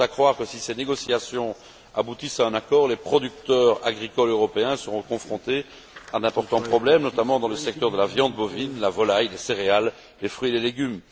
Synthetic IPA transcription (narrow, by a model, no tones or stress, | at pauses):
akχwaʁkəsiseneɡɔsiasjɔ̃ | abut̪isaɛ̃nakɔːʁlepχɔd̪yk̚t̪œːʁa̰ɡʁikɔløʁɔpeɛ̃səʁɔ̃kɔ̃fχɔ̃t̪e | ad̪ɛ̃pɔʁt̪ɑ̃pχɔblɛmnɔt̪amɑ̃d̪ɑ̃ləsɛk̚t̪œʁd̪əlavjɑ̃d̪̚bɔvinlavɔlajleseʁealː | efχɥileleɡʲym